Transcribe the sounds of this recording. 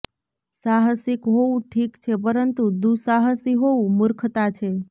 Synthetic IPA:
saɦəsikɦoũʈʰikt͡ʃʰepəɾənt̪ud̪usaɦəsiɦoũmʊɾkʰt̪at͡ʃʰe

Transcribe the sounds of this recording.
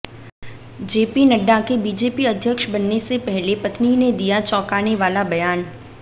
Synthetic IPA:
d͡ʒeːpinɐɖːakebiːd͡ʒeːpiɐd̪ʱjəkʃbɐnːesepɛɦlepɐt̪nined̪ijat͡ʃɔːkaːneʋaːlabɐjaːn

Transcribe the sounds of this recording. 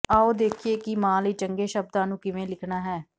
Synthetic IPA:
aːoːd̪eːkʰieːkɪmãːləiːt͡ʃəŋɡeːʃəb̚d̪ãːnũːkɪʋẽːlɪkʰnaːɦɛː

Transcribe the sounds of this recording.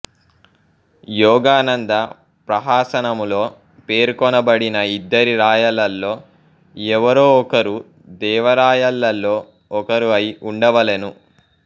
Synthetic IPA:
jɔːɡaːnɐnd̪ɐ | pɾɐɦaːsɐnɐmulo̞ː | pe̞ːɾkɔnɐbɐɽinɐid̪ːɐɾiɾaːjɐlːɐlːo̞ː | ɛʋɐɾoːɔkɐɾu | d̪ɛːʋɐɾaːjɐlːɐlːo̞ː | ɔkɐɾuɐjʔuɳɖɐʋɐlenu

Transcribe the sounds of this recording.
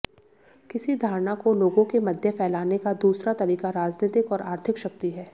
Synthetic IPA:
kɪsid̪ʱaːɾnakoloːɡõkemɐd̪ʱjəpʰɛːlaːnekad̪uːsɾat̪ɐɾiːkaɾaːd͡ʒneːt̪ɪkɔːɾʔaːɾt̪ʰɪkʃɐk̚t̪iɦɛː

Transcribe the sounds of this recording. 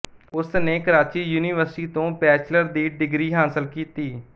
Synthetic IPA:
ʊsneːkəɾaːt͡ʃiːjuːniːʋəɾsʈiːt̪õːpɛːt͡ʃləɾd̪iːɖɪɡɾiːɦaːsəlkiːt̪iː

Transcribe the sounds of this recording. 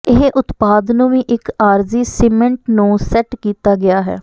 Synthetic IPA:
ɪɦʔʊt̪paːd̪nũːʋĩːʔɪkaːɾziːsɪːmɛ̃ɳʈnũːsɛʈkiːt̪aːɡɪaːɦɛ̰ː

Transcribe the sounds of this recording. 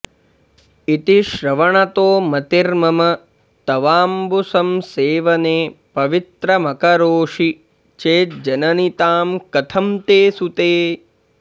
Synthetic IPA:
it̪iʃɾɐʋɐɳɐt̪oːmɐt̪iɾmɐmɐ | t̪ɐʋaːmbusɐmseːʋɐneːpɐʋit̪ɾɐmɐkɐɾoːʂi | t͡ʃeːt̪̚d͡ʒɐnɐnit̪aːmkɐt̪ʰɐmt̪eːsut̪eː

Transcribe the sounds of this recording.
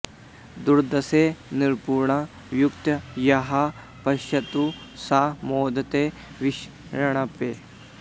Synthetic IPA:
d̪uɾd̪ɐseniɾpuːɾɳɐ | ʋjukt̪ɐjɐɦɐ | pɐʃɐt̪usaːmoːd̪ɐt̪eː | ʋiʃ | ɾɐɳ̃ɐpeː

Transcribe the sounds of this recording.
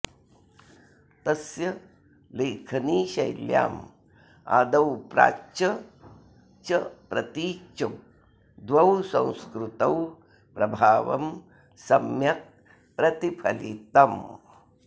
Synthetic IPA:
t̪ɐsjɐ | leːkʰɐniːʃɐjlja̰ːm | a̰ːd̪ɐwpɾa̰ːt͡ʃɐ | t͡ʃɐpɾɐt̪iːt͡ʃɐ | d̪ʋɐwsɐ̃w̃skɾut̪ɐw | pɾɐbʱaːʋɐ̰m | sɐmjɐk̚ | pɾɐt̪ipʰɐlit̪ɐm

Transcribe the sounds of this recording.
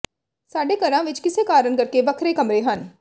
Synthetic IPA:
saːɖekɐɾãʋɪt͡ʃkɪsekaːɾənkɐɾkeʋɐkʰɾekɐmɾeɦɐn

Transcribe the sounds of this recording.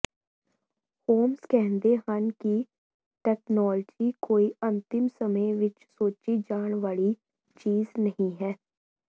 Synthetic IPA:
hoːmskɛɦnd̪eɦanki | ʈɛːknɔːld͡ʒikoːiɐ̃nt̪ɪmsəməjʋɪt͡ʃsoːt͡ʃid͡ʒaːɽ̃ʋaːli | t͡ʃiːznɐɦĩɦɛː

